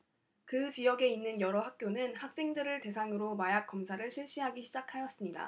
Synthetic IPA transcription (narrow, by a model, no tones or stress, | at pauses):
kɯt͡ɕijʌɡe̞inːɯnjʌɾʌɦak̚k͈jonɯnhak̚s͈e̞ŋdɯɾɯɭte̞sʰaŋɯɾomajak͈̚ʌmsʰaɾɯɭɕʰiɭɕ͈iɦaɡiɕʰid͡ʑakʰajʌs͈ɯmɲida̰